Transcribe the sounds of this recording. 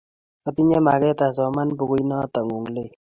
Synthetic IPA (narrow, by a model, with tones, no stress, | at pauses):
ɔ˨t̪i˦ɲa˦ma˨kɛ˦t̪a˨s̬ɔ˨ma˦nbu˨ɡu˦jnɔ˦t̪a˨ŋu˨ŋle˦˨